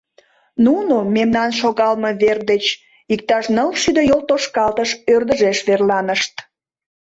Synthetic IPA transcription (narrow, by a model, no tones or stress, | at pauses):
nunomemnɑnʃoɣɑlmə̽βerd̪et͡ɕ | ik̚t̪ɑʃnəlʃyd̪əjolt̪oʃkɑlt̪əʃørd̪əʒeʃβerlɑnəʃt̪